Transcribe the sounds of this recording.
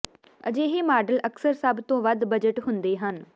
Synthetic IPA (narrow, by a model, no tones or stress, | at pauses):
ə̰d͡ʒeːɦeːmaːɖələksəɾsəbt̪õːʋəd̪bəd͡ʒəʈɦʊnd̪eːɦən